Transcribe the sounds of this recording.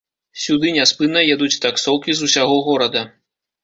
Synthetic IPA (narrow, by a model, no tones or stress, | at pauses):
sʲud̪ɨnʲaspɨnɐjɛd̪ut͡sʲt̪aksɔwkʲizusʲaɣɔɣɔɾɐd̪ɐ